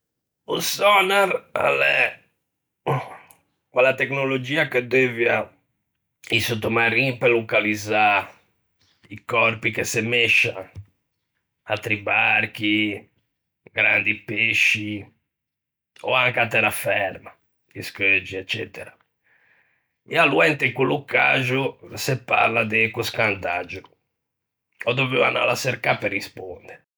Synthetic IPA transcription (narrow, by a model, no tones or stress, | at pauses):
osɔnaɾa̰lɛ | kwɛlːat̪eknolod͡ʒiːaked̪evja | isot̪ːomaɾipelːokaliza | ikɔrpikesemeʃːa | at̪ːɾibaɾk̟i | ɡɾand̪ipeʃːi | ɔ̰aŋkat̪ːɛɾafɛɾma | iskød͡ʒːiɛt͡ʃːɛ̰ːt̪ɛɾa | ɛalːuɛnt̪ɛiŋkwuluka̰ʒusɛpːa̰ɾlad̪ekuskand̪ad͡ʒu | ɔd̪oveva̰na̰laseɾkapɛrːispond̪ɛɾɛ